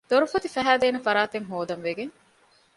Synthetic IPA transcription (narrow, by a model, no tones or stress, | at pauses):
d̪̥oɾufɐt̪ifæɦæːd̪eːnefɐɾaːt̪eŋɦoːd̪ɐnʋeɡeŋ